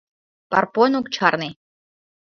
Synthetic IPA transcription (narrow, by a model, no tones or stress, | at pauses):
pɑ̰rponukt͡ɕʰɑrne